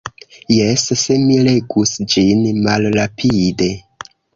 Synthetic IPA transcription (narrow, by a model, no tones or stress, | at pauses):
jesse̞miɾe̞ɡusd͡ʒinmalɾapʰide̞